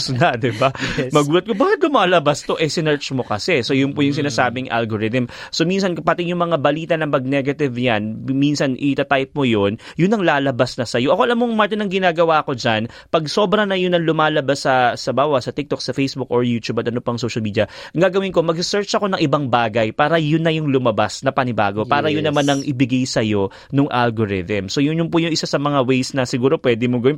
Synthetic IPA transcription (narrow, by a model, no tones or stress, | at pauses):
snɐd̪ɪbamɐɡuːlɐt̪̚kobaːhɪt̪̚lʊmaːlɐbɐst̪o̞ʔɛsɪnɛɹt͡ʃmo̞kɐsɛsojʊnpʊjʊŋs̬ɪnaːsaːbɪŋʔa̰lɡoɾɪt̪ɪmso̞mins̬ɐnpɐt̪ɪjʊŋmɐŋabɐliːt̪ɐnɐŋmɐɡ̚nɛɡɐt̪ɪvjanminsɐnʔɪt̪ɐt̪ajp̚mojonjʊnːɐŋlaːlɐbasnɐsɐjo̞ʔɐkoɐlamoŋmaɹt̪ɪnɐŋɡɪnaːɡɐwaːɐko̞d͡ʒan | pɐɡso̞ːbɾɐnɐjʊnɐŋlʊmaːlɐbasːɐsɐbaːwɐsɐt̪ɪk̚t̪ok̚sɐfejsbuk̚oɹjuːt̪ubɐt̪ɐnopoɐŋsowʃɐlmiːd̪ijɐʔɐŋɡaːɡɐwɪnko̞mɐɡ̚ssɛɹt͡ʃʔɐko̞nɐŋʔɪbaŋbaːɡɐjpaːɾɐjʊnːɐjʊŋlʊmɐbasnɐpɐnɪba̰ːɡo̞paːɾɐjʊnːɐmanːɐŋʔɪbɪɡajsɐjo̞ | noŋʔalɡoɹɪt̪ɛmso̞jʊnjʊnpʊjʊŋɪsasɐmɐŋawɛjsnɐsɪɡuːɾo̞pwɛd̪ɛmoɡɐwɪn